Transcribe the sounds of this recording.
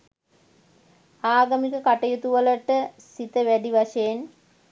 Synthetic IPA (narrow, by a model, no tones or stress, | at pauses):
aːɡɐmikəkaʈɐjut̪uʋələʈəsit̪əʋæɖiʋaʂɐjen